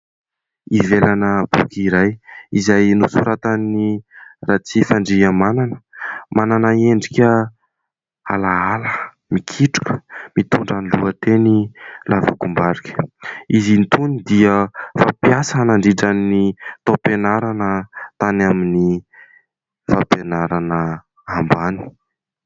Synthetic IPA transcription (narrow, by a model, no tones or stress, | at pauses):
ivelanəb̥ṵkiɾajizajnusuɾat̪anirat͡sifaɳɖ͡ʐiəmananə̥mʔananəeɳɖ͡ʐikʲə | alaalə | mikʰiʈ͡ʂu̥kə̥mit̪uɳɖ͡ʐaniluət̪enilʔava̰kumbaɾikʲə̥izinit̪unid̪iəfapjasanaɳɖ͡ʐiʈ͡ʂanːit̪openaɾanət̪anamini | fapenaɾanə | ambani̥